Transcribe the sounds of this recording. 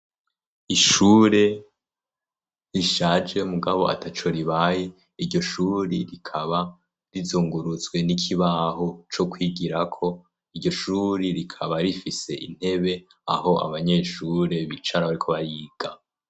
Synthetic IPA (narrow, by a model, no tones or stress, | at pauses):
iʃuɾe̞ | ɾiʃaːd͡ʒe̞muɡaβo̞̰a̰tat͡ʃo̞ɾiβaːje | iɾɟo̞ʃuːɾiɾikʰaβa | ɾizuːŋɡuɾut͡sɡwe̞nikʰiβaːɦot͡ʃo̞kwiːɡiɾakʰo̞ | iɾɟo̞ʃuːɾiɾikʰaβaɾifise̞ʔḭn̥he̞βe̞ | a̰ho̞ʔa̰βaɲe̞ʃuɾe̞βit͡ʃaɾaβaɾikʰo̞βaɾiːɡ̥a